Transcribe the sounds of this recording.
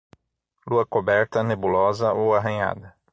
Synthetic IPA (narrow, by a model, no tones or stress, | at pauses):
luɐkobɛɾt̪ɐnebulɔzɐʔowaɦɐ̃ɲa̰d̪ɐ